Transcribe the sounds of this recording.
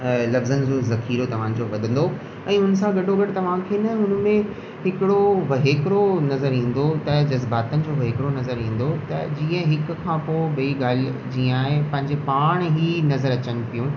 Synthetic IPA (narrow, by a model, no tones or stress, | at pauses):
lɐfzənɪd͡ʑozɐxiːɾot̪ɐʋ̤ãd͡ʑoʋɐd̪ʱə̃nd̪o | ɛ̃ːʊnsãɡɐɖʱoɡɐɽt̪ɐʋ̤ãkʰeːnɐɦʊn̆mẽ | ɦɪkɪɽoʋɐɦeːkɾonɐzəɾɦĩːn̆d̪ot̪ɐd͡ʑɐzbaːt̪ənɪ̆d͡ʑoʋɐɦeːkɾonɐzəɾĩːn̆d̪ot̪ɐd͡ʑiːə̃ɦɪkkʰãːpoːɓɐiɡaːld͡ʑiːə̃aːɦepɐ̃ɦɪ̃ɲd͡ʑepaːɽ̃ɦinɐzəɾɐt͡ɕənɪ̆pijũ